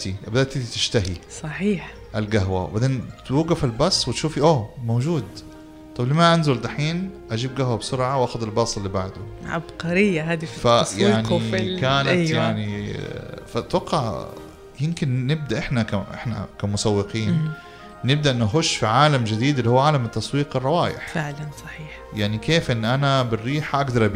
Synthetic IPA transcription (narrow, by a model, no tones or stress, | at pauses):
t̪ibad̪aːt̪ːiːd̪it̪ɪ̥ʃt̪aɦisˤɑħiːħ | ʔalɡaɦwa̰bad̪eːnt̪wuːɡafalbɑsˤːwɪt̪ʃuːfiʔoːmoːd͡ʒuːd̪ | t̪ˤɑblimaʔanzʊld̪aħiːnʔad͡ʒiːbɡahwabsʊɾʕawʔaːxʊd̪albɑsˤɪlːibaʕd̪ʊʕa̰bqɑɾɪjːahaːd̪iffajaʕnikaːnajaʕni | fat̪wɑqːɑʕ | jɪmkɪnːɪb̚d̪aʔɪħnakaʔɪ̰ħna̰kamʊsawːɪqiːnː | ɪb̚d̪aʔɪnːʔaɦʊʃːfiʕaːlamd͡ʒɪd̪iːd̪lːihuːʕaːlamɪt̪ːɑsˤwiːqɨrˤːɑwaːjɪ̰ħfɪʕlansˤɑ̥ħiːħjaʕnikeːfʔɪnːʔanabɪrːiːħaʔaɡd̪ɑɾˤʔb